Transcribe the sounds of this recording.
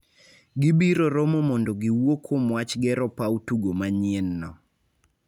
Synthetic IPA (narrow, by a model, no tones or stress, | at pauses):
ɡɪbiɾoɾɔmɔmɔndɔɡɪwokʰomwat͡ʃɡɛɾɔpautuɡomaɲɪɛnːɔ